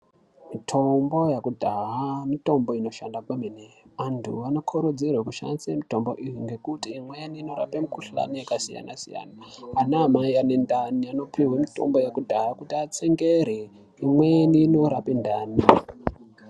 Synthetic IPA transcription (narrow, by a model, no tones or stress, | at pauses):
mitʰo̞mbo̞jakudʱaɦamito̞mbo̞ino̞ʃandakwemeneʋantʰṵano̞kʰoɾod͡zirwekuʃa̰nisemito̞mbo̞̰ʔijiŋɡe̞kutiːmweniːno̞ɾa̰pemukuɬa̰nijakasija̰na̰sija̰naanamaianendaniano̞pʰiwemito̞̰mbo̞jakudʱaɦakutiat͡seŋɡeɾe | imweniːnoɾapendaːnia